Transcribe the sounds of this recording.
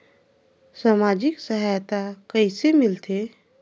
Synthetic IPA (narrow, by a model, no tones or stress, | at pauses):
saːmaːd͡ʒɪksəɦajt̪akəɪsemɪlt̪e